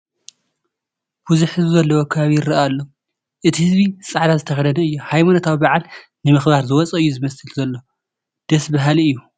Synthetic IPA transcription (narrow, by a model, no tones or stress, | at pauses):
b̥uzuħɨzuzɐlːɐwokʰɐβaβijɪɾɐʔalːo̞ | ʔɨt̪ʰihɨzbisʼaʕd̪azɨt̪ʰɐxɐd̪ɐnɐɨjːuhajmanot̪ʰawibaʕal | nɨmɨxbaɾzɨwɔt͡sʼɐʔɨjːuzɨmɐsɨlzɐlːo̞ | d̪̥ɐsbaɦaliɨjːu